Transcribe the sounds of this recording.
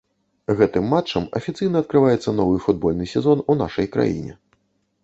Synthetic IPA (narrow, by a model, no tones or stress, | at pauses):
ɣɛt̪ɨmːat͡ʂːɐmɐ̰fʲit̪sɨjnɐt̪̚kɾɨvajɛt̪sːɐnɔvɨfud̪̚bɔlʲnɨsʲɛzɔnuna̰ʂɐjkɾa̰jḭnʲɛ̰